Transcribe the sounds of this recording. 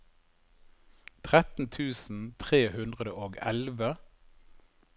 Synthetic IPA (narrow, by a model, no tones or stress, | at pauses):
t̪ʰʁɛt̪n̩t̪ʰʉːsn̩t̪ʰʁeːhʉnd̪ʁəd̪əʔoːɡɛlʋə